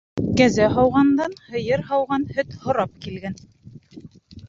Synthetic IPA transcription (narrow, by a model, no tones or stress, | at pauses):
kæzæɦɑwʁɑnd̪ɑnhɤ̆jɤɾhɑwʁɑnhɵt̪hŏɾɑp̚kilɡæn